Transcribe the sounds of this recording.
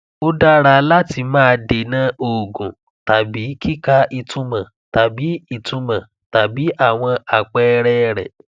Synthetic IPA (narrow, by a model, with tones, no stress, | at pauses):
o˦da˦ɾa˧la˦ti˧mãː˦˧de˨nã˨˦o˨ɡũ˨ | ta˨bi˨˦ki˦ka˦ʔi˧tʰũ˦mã˨ | ta˨bi˨˦i˧˨tũ˧mã˨ | ta˨bi˨˦ʔa˦˨w̃ɔ̃˧a˨k͡pɛ˧ɾɛ˦ɾɛ̰˨